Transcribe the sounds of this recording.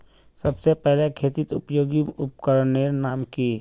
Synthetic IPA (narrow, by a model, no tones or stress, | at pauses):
səbsepɛɦlekʰeːt̪ɪt̪ʊ̰pjoːɡiʊpkəɾneːɾnaːmki